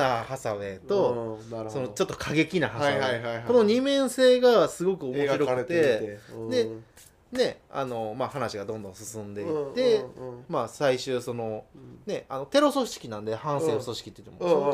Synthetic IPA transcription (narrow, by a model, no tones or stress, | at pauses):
ahasae̞t̪o̞so̞no̞t͡ɕo̞t̪ːokʰaɡe̞kʲinaɦaasonoɲ̟imẽ̞ɰ̃se̞ːɡasɨɡo̞kɯ̟o̞mo̞ɕiɾoɯt̪e̞d̪e̞ | ne̞a̰no̞maɦanaɕiɡad̪õnd̪õsɨsɨ̃nd̪e̞it̪emaːsaiɕɨːso̞no̞ne̞ano̞t̪e̞ɾo̞so̞ɕi̥kʲinãnd̪e̞hãɰ̃seːoso̞ɕi̥kʲi̥t̪ːejt̪ːemo̰